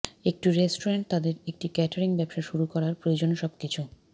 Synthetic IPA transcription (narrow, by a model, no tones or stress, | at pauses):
ek̚ʈiɾesʈoɾeɳʈ̚t̪ad̪eɾek̚ʈikɛʈaɾiŋbɛbʃaʃuɾukɔɾaɾpɾojod͡ʑonʃɔbkit͡ɕʰu